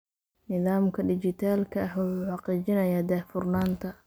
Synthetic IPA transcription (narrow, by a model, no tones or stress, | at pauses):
nɪðaːmkʰɐɖɪt͡ʃɪt̪ʰaːlkʰɐɐhwɑħuːħɑqiːt͡ʃɪnɐjaːd̪aːfʊrnaːnt̪ʰɐ